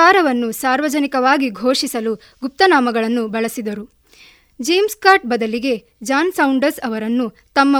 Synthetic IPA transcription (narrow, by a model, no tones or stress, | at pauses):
aːɾɐʋɐnːusaːɾʋɐd͡ʒɐnikɐʋaːɡiɡʱo̞ːʂisɐlu | ɡup̚t̪ɐnaːmɐɡɐɭɐnːubɐɭɐsid̪ɐɾu | d͡ʒejmskaːɾʈ̚bɐd̪ɐliɡe̞ | d͡ʒaːnsɐwuɳɖɐɾsɐʋɐɾɐnːu | t̪ɐmːɐ